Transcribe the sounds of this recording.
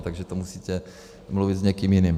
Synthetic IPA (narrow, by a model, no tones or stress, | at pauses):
t̪aɡʒɛt̪omusiːc̪ɛ | mluvɪd̪zɲɛkiːmjɪniːm